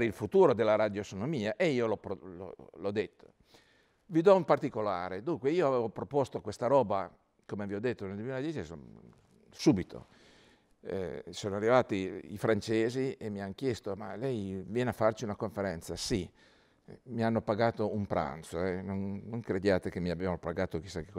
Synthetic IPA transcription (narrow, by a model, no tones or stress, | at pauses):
ɾilfut̪uːɾod̪elːaɾad̪josonomiːaʔeiːolɔpɾolɔ̰lɔd̪et̪ʰːo̥ | vid̪ɔumpart̪ikola̰ːɾed̪uŋkweiːoavɛːvopɾopost̪okwest̪aɾɔːba | komeviɔd̪ːet̪ːoneld̪wemilad̪jɛt͡ʃiso | subit̪ʰo̰ | soːnoarːivaːt̪iḭfɾant͡ʃeːziemːiankjɛst̪oma̰lɛjvjɛːneafːart͡ʃiunakoɱfeɾɛnt̪sasi | mianːopaɡaːt̪oumpɾʔa̰nt̪soɛnonːoŋkɾed̪jaːt̪ekemːiabavanopaɡaːt̪okisakekː